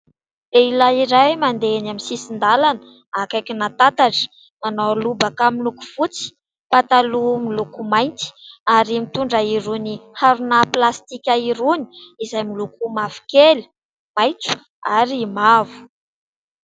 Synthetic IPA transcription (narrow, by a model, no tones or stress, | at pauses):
leilaiɾajmand̪enaminsisind̪alanə | akajkʲinat̪at̪aʈ͡ʂə̥ | manawlubakamiluku̥fut͡si̥ | pat̪alumilukumajnt̪i̥aɾimit̪uɳɖ͡ʐaiɾunihaɾunaplast̪ikʲaiɾuni̥izajmilukumavu̥keli̥ | majt͡su̥ | aɾimavu̥